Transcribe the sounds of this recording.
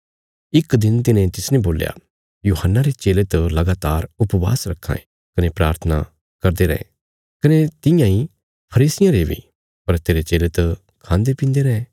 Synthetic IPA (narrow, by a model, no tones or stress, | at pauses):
ɪkd̪ɪnt̪ɪnẽt̪ɪsnẽboːlja̰ | juːhənːaɾet͡ʃeːlet̪əlɐɡaːt̪aːɾʊpʋa̰ːsɾɐkʰːã̰ẽ | kɐnepɾa̰ːɾt̪ʰəna̰ | kɐɾd̪eɾɛ̰̃ẽ | kɐnet̪ɪ̃jãĩ | pʰɐɾiːsɪjãɾebʱḭ | pɐɾt̪eːɾet͡ʃeːlet̪ɐ | kʰãːnd̪epɪ̃ːnd̪eɾɛ̃